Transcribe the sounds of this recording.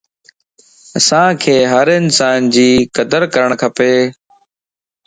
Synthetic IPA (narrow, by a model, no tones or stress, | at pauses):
əsãːkʰeːɦəɾɪnsaːnd͡ʑiːkəd̪əɾkəɾəɳ̃kʰəpeː